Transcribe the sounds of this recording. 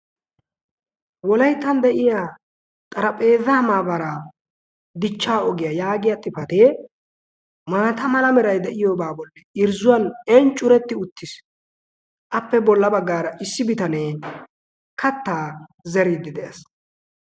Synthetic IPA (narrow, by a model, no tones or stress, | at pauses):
wɔlɐjt̪ːɐnd̪ɛʔɪjaː | t̪ʼɐɾɐpʼe̞ːðɐmaːbɐɾa | d̪ɪt͡ʃːaːɔɡɪjɐjaːɡɪjat̪ʼːɪfɐt̪eː | maːt̪ɐmɐlɐmɛɾɐjd̪ɛʔɪjoːbaːbɔlːɛɪɾzʊwɐnɛnt͡ʃʼːʊɾɛt̪ːɪʊt̪ːɪs | ʔɐpːɛbɔlːɐbɐɡːaːɾɐʔɪsːɪbɪt̪ɐne | kʰɐt̪ːaːzɛɾid̪ːɪd̪ɛʔɛs